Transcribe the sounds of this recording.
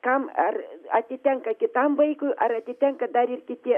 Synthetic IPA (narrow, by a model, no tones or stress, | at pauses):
kama̰ra̰t̪ʲet̪ʲaŋkakʲet̪ambəjkujʔa̰ɾat̪ʲet̪ʲaŋkad̪aɾʲirkʲit̪ʲe